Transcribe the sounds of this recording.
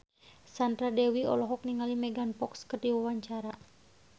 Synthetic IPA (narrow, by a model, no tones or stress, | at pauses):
sand̪ɾadɛwiɔ̰lɔɦɔk̚niŋalimɛɡanpɔkskərdiwawaɲt͡ʃaɾa